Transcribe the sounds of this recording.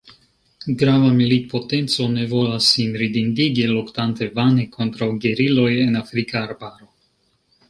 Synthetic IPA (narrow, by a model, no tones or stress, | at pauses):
ɡɾavamilit̪̚po̞t̪e̞nt͡so̞ne̞vo̞lasːinɾid̪ind̪iɡilokt̪ant̪e̞vanekʰo̞nt̪ɾawɡeɾilo̞jenafɾikaːɾbaɾo̞